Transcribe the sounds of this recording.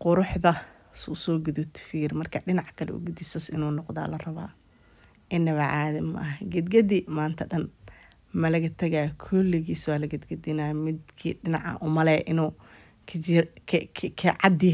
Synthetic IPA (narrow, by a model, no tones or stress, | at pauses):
qʊɾʊħðɐ | ssɔːɡʊðʊt̪ʰfiːrmɐrkʰɐɖɪnɑʕkʰɐlɛ̰ʔʊ̰ɡʊd̪ɪsɐsɪnuːnɔqða̰ːlɐrɐβa̰ː | ʔɪnːɐβɐʕaːðɐmɐ̰ʔɐɦɡɐd̪ɡɐd̪imaːnt̪ʰɐɖɐn | mɐlɐɣɐt̪ʰɐɣaːkʰɔlːɪɣiːswaːlɐɡɐd̪ɡɐd̪ɪnaːmɪd̪kʰḭːɖɪnɑʕɐ̰ʔʊmɐlɛːʔɪnuː | kʰ | kʰɐʕɑd̪ɪ